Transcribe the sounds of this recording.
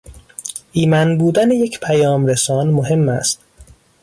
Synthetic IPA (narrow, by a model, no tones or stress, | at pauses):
ʔiːmænbuːd̪ænejecʰpʰæjɒːmɾesɒːnmoɦe̞mːæ̰st̪